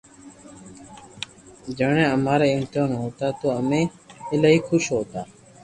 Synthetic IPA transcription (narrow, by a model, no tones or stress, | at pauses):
d͡ʒəːɳẽːəmaːɾaːɪmt̪ɪaːnɦoːt̪aːt̪oːəmẽː | ɪlaːɦiːkʰʊʃɦoːt̪aː